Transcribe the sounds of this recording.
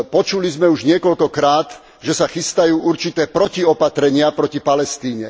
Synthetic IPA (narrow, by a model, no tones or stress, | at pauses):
pɔt͡ʃulizmɛuʒɲɪɛkɔʎkɔkɾaːt̪ | ʒɛsaxist̪ajuːʔuɾt͡ʃit̪ɛːpɾɔciɔpat̪ɾɛɲɪapɾɔcipalɛst̪iːɲɛ̰